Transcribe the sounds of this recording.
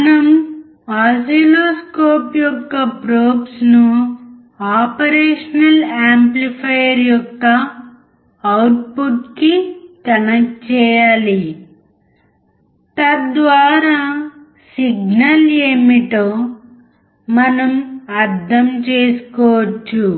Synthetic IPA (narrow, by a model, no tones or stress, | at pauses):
mɐnɐm | aːsiloːskoːpjɔkːɐpɾoːpsnu | aːpɐɾeːʂɐnɐlaːmplipʰɐjɐɾjɔkkːɐ | wʈ̚puʈkikɐnɐk̚t͡ʃɛːjaːli | t̪ɐd̪ʋaːɾaː | siɡnɐleːmiʈoː | mɐnɐmɐɾd̪ʱɐmt͡ʃeːsu̥kɔːʋɐt͡ʃːu